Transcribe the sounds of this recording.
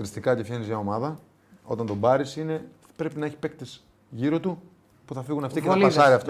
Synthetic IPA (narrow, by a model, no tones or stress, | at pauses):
ɾist̪ikɐcefçenizʝɐo̞mɐðɐ | o̞̰t̪ɐnt̪obɐɾisine̞ | pɾe̞pinɐeçi̥pek̚t̪es | ʝiɾo̞t̪u | puθɐfiɣunɐft̪ikelɐsɐɾiɐft̪